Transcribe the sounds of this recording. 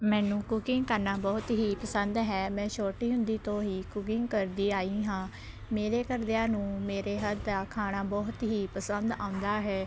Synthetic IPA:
mɛ̃ːnũːkʊkɪŋɡkəɾnaːbɔːt̪ɦiːpəsənd̪ɦɛːmɛ̃ːʃʰoːʈiːɦʊnd̪iːt̪õːɦiːkʊkɪŋɡkəɾd̪iːaːiːɦãː | meːɾeːkəɾd̪eãːnũːmeːɾeːɦəd̪d̪aːkʰaːɽ̃aːbɔːt̪ɦiːpəsənd̪ã̰ːʊ̃nd̪aːɦɛː

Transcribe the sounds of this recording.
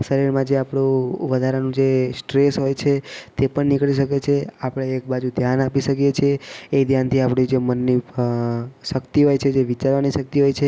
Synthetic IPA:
səɾiɾmãd͡ʒeapɽ̃ũʋəd̪ʱaɾanũd͡ʒesʈɾesɦojt͡ʃʰet̪epəɳnikɭiʃəket͡ʃʰeapəɽ̃eːk̚bad͡ʒud̪ʱjanapiʃəkijet͡ʃʰieed̪ʱjant̪ʰiapɽid͡ʒemənːi | ʃəkt̪iɦojt͡ʃʰed͡ʒeʋit͡ʃaɾʋaniʃək̚t̪iɦojt͡ʃʰe

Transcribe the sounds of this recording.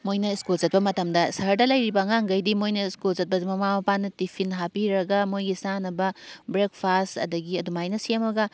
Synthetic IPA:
mojnɐiskult͡ʃɐt̚pɐmɐtɐmdɐsɐɦɐɾdɐlɐjɾibɐŋaŋɡɐjdimojnɐiskulzɐt̚pɐmɐmamɐpanːɐtipʰinɦapiɾɐɡɐmojɡisanɐbɐbɾek̚pʰastɐ̰dɐɡiɐdumajnɐsiemɐɡɐ

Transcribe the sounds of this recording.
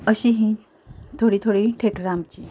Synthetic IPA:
əɕiɦĩ | t̪ʰoɽiːt̪ʰoɽiʈʰeʈɾamt͡ɕiː

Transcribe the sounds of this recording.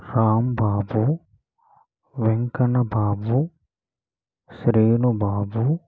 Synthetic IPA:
ɾaːmbaːbu | ʋeŋkɐnɐbaːbu | ʃɾiːnubaːbu

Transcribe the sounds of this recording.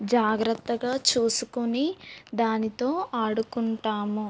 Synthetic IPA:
d͡ʒaːɡɾɐt̪ːɐɡaːt͡ʃuːsukunid̪aːnit̪o̞ːaːɽukuɳʈaːmu

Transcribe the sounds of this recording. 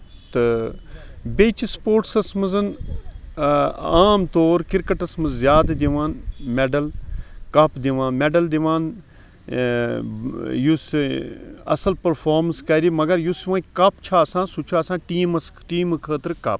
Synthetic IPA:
t̪ɨ | bet͡ʃispoːʈsɐsmɨzɐn | aːmt̪oːɾkiɾkɐʈɐsmɨzzjaːd̪ɐd̪iʋaːnmeɖɐlkɐpd̪iʋãːnmeɖɐld̪iʋaːn | jus | ɐ̰sɐlpɐɾfʰaːɾmɐnskɐɾimɐɡɐɾjusʋãːkɐpt͡ʃʰaːsãːsut͡ʃʰaːsãːʈiːmɐsʈiːmɨkʰəːt̪ɾkɐ̰p̚

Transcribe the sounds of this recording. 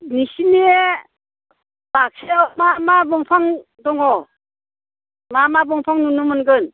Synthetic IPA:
nisinie | bak̚semamabɯŋpʰaŋ | dɔŋɔ | mamabɯŋpʰaŋnunumɯnɡɯn

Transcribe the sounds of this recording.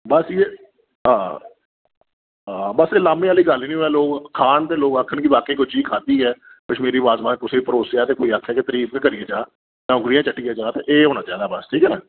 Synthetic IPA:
bəsjeː | ɦãː | ãːbəseːlaːmẽːaːliːɡəliːnĩːoːɛːloːkkʰaːnt̪eːloːɡəkʰːənkɪʋaːkeːkʊt͡ʃʰiːkʰaːd̪iːɛː | kɪt͡ʃʰmeːɾiːʋaːzmãːkʊseːiːpəɾoːsjaːt̪eːkoːiːakʰːɛːket̪əɾiːb̚kəɾieːd͡ʒaː | jãːʊɡɽɪjãːt͡ʃəʈːijaːd͡ʒaːt̪eʔeːɦoːnãːd͡ʒaːd̪aːbəsʈʰiːkɛːnɛː

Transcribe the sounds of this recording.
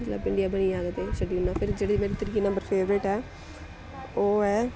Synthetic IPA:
ət̪lə̰ːbɪ̃ɳɖijaːbəniːaːɡət̪eːsəɖiːʊnːaːpʰɪɾd͡ʒeːɽeimeːɾiːt̪əɾiːkeːnə̃mbəɾpʰeːʋɾeʈɦɛː | oːɛː

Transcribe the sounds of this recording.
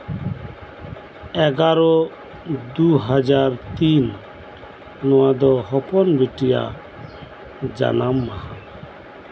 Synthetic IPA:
ɛɡaɾɔ | d̪uɦad͡ʒaɾt̪in | ɔwad̪ɔɦɔpɔnbiʈija̰ | d͡ʒa̰nama

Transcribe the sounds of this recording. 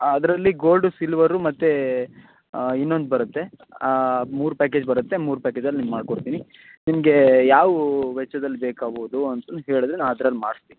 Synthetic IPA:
ɐd̪ɾɐlːiɡoːlɖusilʋɐɾːumɐt̪ːe | inːo̞nd̪ubɐɾut̪ːe | muːɾupæːkeːd͡ʒbɐɾut̪ːe̞muːɾupæːked͡ʒɐlinimmaːɖ̚koɽt̪iːni | nimɐɡe̞jaːʋuʋɛt͡ʃːɐd̪ɐlːibeːkaːboːud̪uɐnt̪ɐnːɦeːɭid̪ɾenaːnɐd̪ɾɐlːimaːɽist̪iːni

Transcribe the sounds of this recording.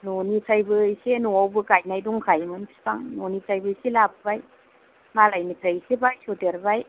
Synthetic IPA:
nonitʰajbɯjsenuawbɯkaj̚najduŋkʰajmɯnpʰi̥paŋnonit͡ʃajbɯjselapbaj | malajnitʰajsebajsodeɾbaj

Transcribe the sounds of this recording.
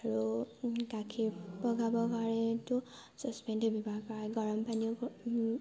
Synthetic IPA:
aɹukakʰipɔɡʱabɔpaɹɛtʊ | sɔspɛndebʱibapaɹaɡɔɹɔmpani

